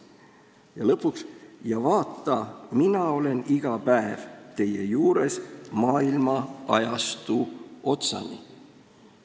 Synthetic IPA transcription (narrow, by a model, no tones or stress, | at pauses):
jɑlɤpːˑuksjɑvɑːt̪ːˑɑminɑo̞le̞niɡ̥ɑpæevt̪e̞jejuːɾe̞smɑːilmɑɑjɑst̪uo̞t̪sɑ̰nḭ